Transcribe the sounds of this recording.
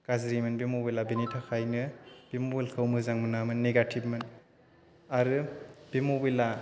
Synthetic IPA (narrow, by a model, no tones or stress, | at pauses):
kazɾimɯnbimubilabenitʰakʰajnɯb̥imobilkʰɯwmɯzaŋmɯnamɯnːeɡatʰipmɯn | aɾɯb̥imubila